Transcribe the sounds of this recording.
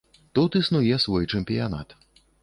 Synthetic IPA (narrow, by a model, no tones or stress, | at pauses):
t̪ut̪isnujɛsvɔjt͡ʂɛmpʲijana̰t̪